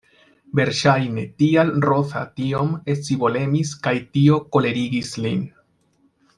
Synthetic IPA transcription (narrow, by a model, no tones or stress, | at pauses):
be̞ɾʃajne̞tialɾo̞θa̰tiomet͡sibo̞le̞miskajtio̞ko̞le̞ɾiɡislḭn